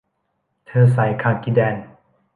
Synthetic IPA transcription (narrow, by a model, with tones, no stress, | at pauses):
t̪ʰɤː˧s̬a˨˩˦jkʰaː˧˩ŋki˧˩dɛː˧n